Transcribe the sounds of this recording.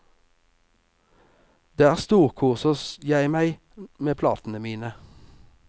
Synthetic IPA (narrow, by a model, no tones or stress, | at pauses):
d̪̥eːæːʁst̪uːʁkʰʊʁsɔsjæɪmæɪ | meːpʰlɑ̰ːt̪n̩əmiːnə